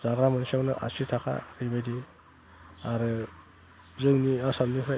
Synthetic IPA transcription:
zaɡɾamɯnisawnɯʔa̰sitʰakʰa̰ɾijbajdi | aɾɯ | zɯŋniasamnipʰɾa

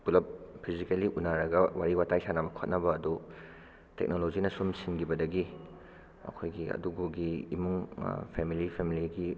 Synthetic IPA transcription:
pulɐp̚pʰizikeliʔunaɾɐɡɐwaɾiwatajsanamɐkʰot̚nɐbɐːdu | tek̚nolod͡ʒinɐsumsinɡibɐdɐɡi | ɐ̰kʰojɡiɐ̰duɡuɡiːmuŋpʰemilipʰemiliɡi

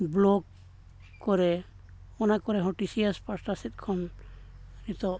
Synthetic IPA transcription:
blɔɡ | kːɔɾɛ | ɔnakɔɾɛɦɔʈisiaspasʈasit̪̚kʰɔn | ɾit̪ɔ

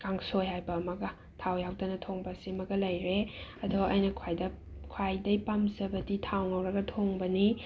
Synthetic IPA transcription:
kaŋsojhajbɐːmɐɡɐ | tʰawjawdɐnɐtʰoŋbɐsimɐɡɐlɐjɾeɐdoɐjnɐkʰwajdɐ | kʰwajdɐjpamzɐbɐditʰawŋɐwɾɐɡɐtʰoŋbɐni

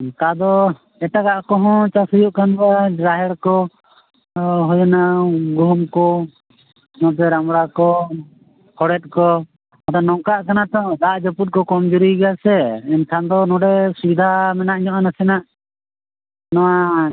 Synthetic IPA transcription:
kad̪ɔ | ɛʈakaʔkɔɦɔ̃t͡ʃasujuʔkanbaɾaɦɛɽkɔ | ɦɔjɔnaɡʱumkɔ | nɔt̪ɛɾamɽakɔ | kʰɔɽɛt̪̚kɔ | ɔt̪anɔŋkaʔkanat̪ɔd̪aʔd͡ʒɔput̪̚kɔkɔmd͡ʒuɾiɡasɛɛnkʰãnd̪ɔnɔ̃ɖɛsuid̪ʱamɛnaʔɲɔʔanasɛnaʔ | nɔwa

